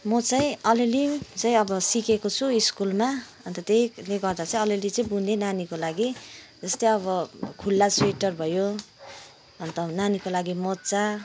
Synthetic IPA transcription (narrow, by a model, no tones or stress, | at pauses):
mʌt͡sʌĩʌlelit͡sʌĩʌbʌsikekot͡sʰuiskulma | ʌnt̪ʌt̪ejleɡʌrd̪at͡sʌĩʌlelit͡sʌĩbunenanikolaɡid͡zʌst̪ʌĩʌβʌkʰulːaseʈʌrbʱʌjo | ʌnt̪ʌnanikolaɡimʌt͡sa